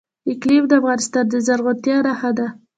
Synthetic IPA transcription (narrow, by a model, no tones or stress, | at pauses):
ɪklifd̪əafɣɑnɪst̪ɑnd̪əzaɾɣot̪jɑɾahad̪a